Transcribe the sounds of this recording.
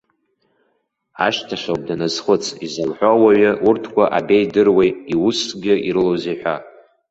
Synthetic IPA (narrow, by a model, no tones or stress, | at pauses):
a̰ʃtʰaʃʷawb̚danazχət͡sʰʼizalħᶣʷawaɥɪʔurtʰkʷʰaʔabe̞jdɨrwejiwusɡʲɪʔiɾɨlowzejħᶣʷa